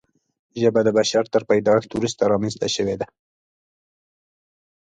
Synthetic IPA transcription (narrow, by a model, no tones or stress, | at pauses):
ʒəbad̪əbaʃaɾt̪əɾpajd̪ɑxt̪uwɾust̪aɾɑmanzt̪a̰ʃəwed̪a